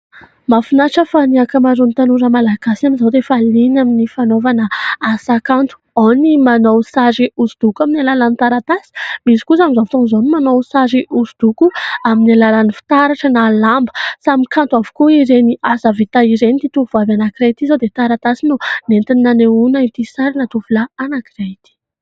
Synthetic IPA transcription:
mafunaʈ͡ʂəfaniakəmaɾunt̪anuɾəmalaɡ̥asiaminzawd̪efalinaminifanovanəasakant̪u̥onimanowsaʐiuzud̪̥ukuaminalalanit̪aɾat̪asi̥misi̥kusamizaft̪unzonimanowsaʐiʔuzud̪̥ukuaminalalanifi̥t̪aɾaʈ͡ʂənalambəsamikant̪uavu̥kuiɾeniazavit̪aiɾenit̪it̪uuvavanakirejt̪izawd̪et̪aɾat̪asinunent̪innaneunait̪isaɾinat̪uvulaanakiret̪i̥

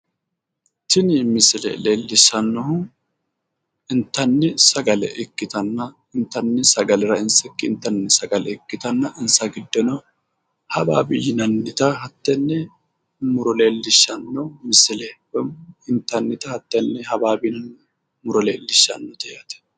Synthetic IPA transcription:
t̪ɪnmɪsɪlɛ̰leːlːɪʃːɐnːɔhʊ | ɪnt̪ːɐnːɪsɐɡɐlɛ̰ʔɪkːɪt̪ɐnːɐ | ɪnt̪ːɐnːɪsɐɡɐlɛɾɐɪnsɛkːɪɪnt̪ːɐnːɪsɐɡɐlɛɪkːɪt̪ɐnːɐʔɪnsɐɡɪd̪ːɔnɔ | hɐba̰ːbɪjɪnɐnːɪt̪ɐɦɐt̪ːɛnːɛ | mʊɾɔleːlːɪʃːɐnːɔmɪsɪlɛ | ɪnt̪ːɐnːɪt̪ɐhɐt̪ːɛnːɛhɐbaːbɪnɐnː | mʊɾɔleːlːɪʃːɐ̰nːɔt̪ɛjɐt̪ɛ̥

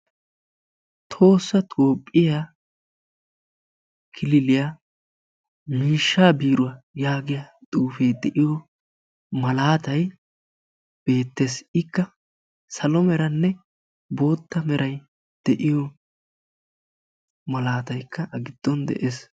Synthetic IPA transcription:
t̪ʰo̞ːsːɐt̪ʰo̞ːpʼːɪja | kʰɪlɪlɪjaː | miːʃːaːbiːɾʊwɐjaːɡɪjat̪ʼuːfejd̪ɛʔɪjɔ | mɐlaːt̪ɐj | b̥e̞ːt̪ːe̞ːsɪkːɐ | sɐlɔmɛɾɐnːɛ | bo̞ːt̪ːɐmɛɾɐj | d̪̥ɛʔɪjɔ | mɐlaːt̪ɐjkʰːɐʔɐɡɪd̪̥ːɔnd̪ɛ̰ʔes

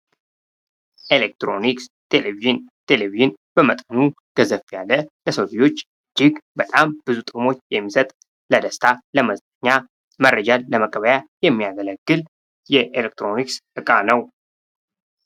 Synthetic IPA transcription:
ʔelek̚t̪ɾo̞nikst̪ʰeleviʒɨnt̪ʰe̞leviʒɨn | b̥əmət̪ʼənu | ɡ̥əzəfjalːələsowd̪ijo̞t͡ʃː | d͡ʒːɪɡbət̪ʼamb̥ɨzut̪ʼɨmo̞t͡ʃːjɛmːisət̪ʼ | ləd̪əst̪ʰaləməzt̪əɲːa | mərːəd͡ʒalːəməkʼːəβəjajɛmːijaɡələɡ̥ːɨl | jɛʔelek̚t̪ʰɾo̞niksɨkʼanəw

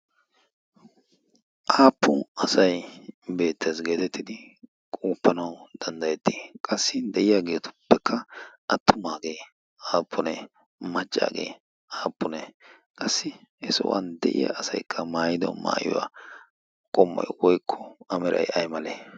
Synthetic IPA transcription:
ʔaːpːʊɐsɐjbe̞ːt̪ʰːesɡe̞ːt̪ɛt̪ːɪd̪ɪ | kʼuːpːɐnɐwd̪̥ɐnd̪ɐjɛt̪ːi̥kʼɐsːɪd̪ɛʔɪjaɡe̞ːt̪ʊ̥pːɛkʰːɐʔɐt̪ːʊmaːɡeː | aːpːʊnɛ | mɐt͡ʃʼːa̰ːɡḛː | aːpːʊnɛ | kʼɐsːɪhɛsɔ̰wɐ̰nd̪ɛ̰ʔɪ̰ja̰ːsɐjkʰːɐmaːjɪd̪ɔ̰ma̰ːjɪ̰wa̰ | kʼɔmːɐ̰jwɔjkʰːɔɐmɛɾɐ̰jɐjmɐleː

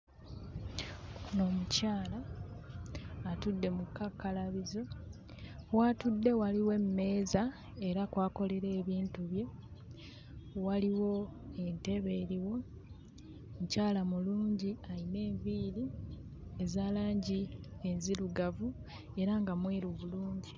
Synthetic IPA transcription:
uno̞ːmucaːla | tudːe̞mukːakːalaβizo̞ | watudːe̞waliwe̞mme̞ːza | e̞ɾakwaːko̞le̞ɾe̞ːβiːntuβje̞ | waliwo̞e̞nte̞βe̞ːɾiwo̞ | mucaːlamuluːɲɟiaine̞ːɱviːɾi | ezaːlaːɲɟienziɾuɡavu | e̞ɾaŋɡamwiːɾuβuluːɲɟi

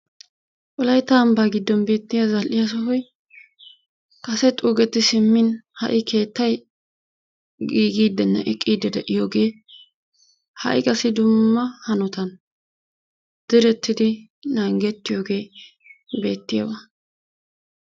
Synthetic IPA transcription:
ʔɔlɐjt̪aːmbaːɡɪd̪ːɔnbe̞ːt̪ːɪjazɐlʔɪjas̬ɔhɔj | kɐsɛt̪ʼuːɡɛt̪ːɪsɪmːɪnhɐ̰ʔɪke̞ːt̪ːɐj | ɡiːɡiːd̪ːɛnːɐ̰ʔɛkʼːiːd̪ːɛd̪ɛʔɪjoːɡe̞ː | hɐ̰ʔɪkʼɐsɪd̪ʊmːɐhɐnɔt̪ɐn | d̪̥ɪɾɛt̪ːɪd̪ɪ | naŋɡɛt̪ːɪjoːɡe̞ː | be̞ːt̪ːɪjabɐ

